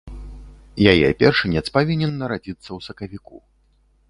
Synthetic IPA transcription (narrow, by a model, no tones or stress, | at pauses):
jajɛ̰pʲɛrʂɨnʲɛt̪spavʲinʲɛnːɐɾad͡zʲit̪sːɐwsɐkɐvʲikṵ